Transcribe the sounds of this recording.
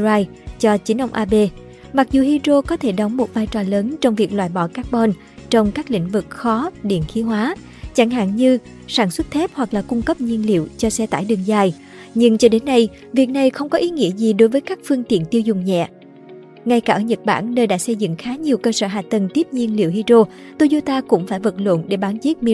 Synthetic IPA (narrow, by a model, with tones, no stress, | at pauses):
aː˧j | t͡ɕɔ˧t͡ɕi˨˦ʔə˧wŋ͡mʔaː˧ɓe˧ | ma˨˩k̚zu˨˩ɦi˧zo˧kɔ˨˦t̪ʰe˧˩ɗə˨˦wŋ͡mmo˨˩t̚vaː˧jt͡ɕɔ˧˩ləː˨˦nt͡ɕɔ˧wŋ͡mvi˨˩ək̚lwaː˧˨jɓɔ̰˧˩kaː˦˥k̚ɓɔ˧n | t͡ɕɔ˧wŋ͡mkaː˦˥k̚lḭ˧˥ŋ̟vɨ˨˩k̚xɔ˨˦ɗḭ˧˨nxi˨˦ɦwaː˨˦ | t͡ɕa˧˩ŋɦa̰ː˧˨ŋɲɨ˧ | saː˧˩nswə˦˥t̚t̪ʰɛ˦˥p̚hwa˨˩k̚laː˨˩kʊ˧ŋ͡mkə˦˥p̚ɲi˧ənlḭ˧˨əwt͡ɕɔ˧sɛ˧t̪a̰ː˧˩jɗɨ˨˩əŋzaː˧˩j | ɲɨ˧ŋt͡ɕɔ˧ɗe˨˦nːa˧j | vi˨˩ək̚na˨˩jxə˧wŋ͡mkɔ˨˦ʔi˨˦ŋḭ˧˥əzi˨˩ɗo˨˦jvəː˨˦jkaː˦˥k̚fɨ˧əŋt̪ḭ˧˨ənt̪i˧əwzʊ˨˩ŋ͡mɲɛ̰˧˨ | ŋa˧jkaː˧˩ʔəː˧˩ɲə˨˩t̚ɓa̰ː˧˩nnəː˧jɗa̰ː˧˥sə˧jzɨ̰˧˨ŋxaː˨˦ɲi˨˩wkəː˧səː˧˩ɦaː˨t̪ə˨˩nt̪i˦˥əp̚ɲi˧ənlḭ˧˨əwhi˧zo˧ | t̪o˧zo˧t̪aː˧kʊ̰˧˥ŋ͡mfaː˧˩jvə˨˩t̚lwə̰˧˨nɗe˧˩ɓaː˨˦nzi˦˥t̚mi˧